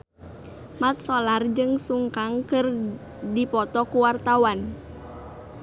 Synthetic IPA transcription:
mat̪̚solard͡ʒɨŋsuŋkaŋkɨr | dipɔt̪ɔkuwart̪awan

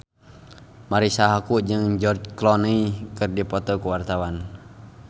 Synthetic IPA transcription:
maɾisaɦakuʔd͡ʒɨŋd͡ʒɔrd͡ʒklɔniikɨrdipɔt̪ɔkuwart̪awan

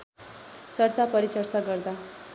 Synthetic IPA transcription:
t͡sʌrt͡sapʌɾit͡sʌrt͡saɡʌrd̪a

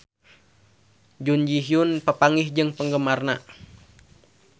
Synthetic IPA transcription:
d͡ʒund͡ʒiɦiunpəpaŋihd͡ʒɨŋpəŋɡəmarna

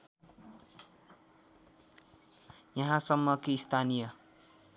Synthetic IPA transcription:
jʌɦãsʌmːʌkist̪ʰanijʌ

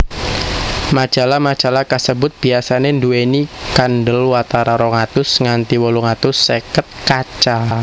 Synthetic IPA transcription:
mḁd͡ʒ̥a̤lamḁʒ̥a̤lakəsəbʊt̪̚b̥iasanenduenikanɖəlwat̪aɾaɾɔŋat̪ʊsŋant̪iwɔluŋat̪ʊsːekət̪̚kat͡ʃa

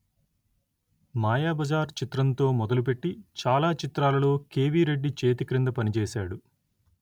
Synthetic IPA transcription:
maːjaːbɐd͡ʒaːɾt͡ʃit̪ɾɐnt̪o̞ːmɔd̪ɐlup̬e̞ʈːit͡ʃaːlaːt͡ʃit̪ɾaːlɐlo̞ːke̞ːʋiːɾe̞ɖːit͡ʃe̞ːt̪ikɾind̪ɐpɐnit͡ʃɛːsaːɽu

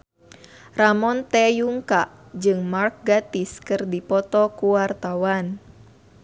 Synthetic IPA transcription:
ramɔnt̪ɛjuŋkaʔ | d͡ʒɨŋmark̚ɡat̪iskɨrdipɔt̪ɔkuwart̪awan

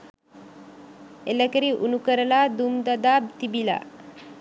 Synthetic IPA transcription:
elakəɾiʔunukəɾəlad̪umd̪ad̪abt̪ibila̰

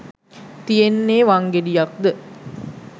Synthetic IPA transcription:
t̪ijenːeːʋaŋɡeɖijak̚d̪ə

